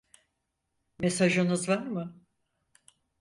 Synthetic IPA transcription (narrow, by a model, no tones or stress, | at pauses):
mesaʒɯnɯzvaɾmɯ